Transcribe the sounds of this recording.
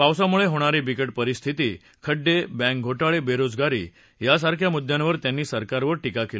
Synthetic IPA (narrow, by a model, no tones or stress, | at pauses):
pawsamuɭeɦoɽ̃aɾiːbikəʈ̚pəɾist̪ʰit̪iː | kʰəɖːebɛ̃k̚ɡʱoʈaɭebeɾod͡zɡaɾḭː | jas̬aɾkʰjamud̪ʱːjãnʋəɾt̪janːiːsəɾkaɾʋəɾʈikakel